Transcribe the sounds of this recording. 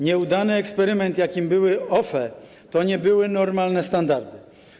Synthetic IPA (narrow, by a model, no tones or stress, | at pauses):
ɲɛud̪anɘɛkspɛɾɘmɛnt̪jakʲimbɘwɘɔfɛ | t̪ɔɲɛbɘwɘnɔɾmalnɛst̪and̪aɾd̪ɘ